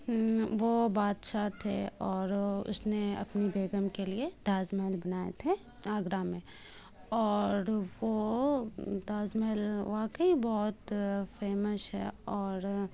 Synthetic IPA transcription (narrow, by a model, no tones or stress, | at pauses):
ʋobaːd̪ʃaːt̪ʰḛɔːɾʊ̰sneɐ̰pnibeːɡəmkelied̪̥aːzmɛlbɐnaːḛt̪ʰe | aːɡɾamẽ | ɔːɾʋo | d̪aːzmɛlʋaːkəibɔɦʊt̪feːməsɦɛ̰ɔːɾ